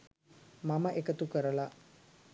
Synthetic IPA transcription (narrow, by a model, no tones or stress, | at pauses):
maməʔekət̪ukəɾəla